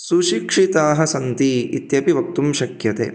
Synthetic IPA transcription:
suʃikʂit̪aːɦɐ̆sɐnt̪iit̪jɐpiʋɐk̚t̪umʃɐkjɐt̪ḛː

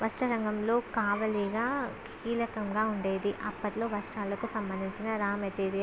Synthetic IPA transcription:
ʋɐsʈɐɾɐŋɡɐmlo̞ːkaːʋɐliɡaːkʰiːlɐkɐŋɡaːuɳɖeːd̪iʔɐpːɐʈlo̞ːʋɐsʈaːlɐkusɐmbɐnd̪ʱiɲt͡ʃinɐɾaːmɐt̪eːd̪i

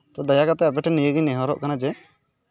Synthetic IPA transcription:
t̪ɔd̪ajakat̪ɛap̬ɛʈʰɛnijəɡinɛɦɔɾɔ̰ʔkanad͡ʒɛ

